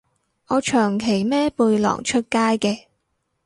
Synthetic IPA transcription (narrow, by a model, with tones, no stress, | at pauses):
ʔɔː˨˧t͡ʃʰœː˨˩ŋkʰe˨˩jmɛː˥puː˧jlɔ̰ː˨˩ŋt͡ʃʰɵ˥t̚kaː˥jkɛː˧